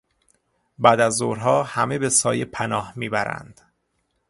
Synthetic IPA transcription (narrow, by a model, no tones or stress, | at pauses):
bæd̪æzːoːɾɦɒːhæme̞besɒːjepʰænɒːhmiːbæɾæ̰nd̪̥